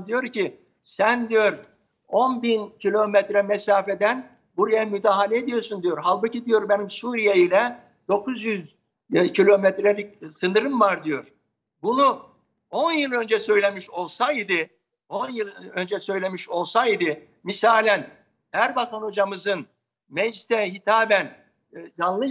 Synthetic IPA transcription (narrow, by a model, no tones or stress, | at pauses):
d̪ijo̞ɾci | sænd̪ijo̞ɾ | o̞nbincʰilʲo̞mɛt̪ɾɛmɛsaːfed̪æn | buɾajamyd̪aːɦalʲɛed̪ijo̞ɾsund̪ijo̞ɾɦalˠbucid̪ijo̞ɾbenimsuːɾijeilʲɛ | d̪o̞kʰuzjyz | cʰilʲo̞met̪ɾelʲicsɯnɯɾɯmvaɾd̪ijo̞ɾ̥ | bunu | o̞njɯlˠø̞nd͡ʒɛsø̞jlʲemiʃo̞lˠsajid̪ɪ | onjɯlˠø̞nd͡ʒɛsø̞jlʲe̞miʃo̞lˠsajid̪ɯ | misaːlʲɛn | æɾbat̪ʰanod͡ʒamɯzɯn | mɛd͡ʒt̪ɛɦit̪ʰaːbæn | d͡ʒanlˠɯ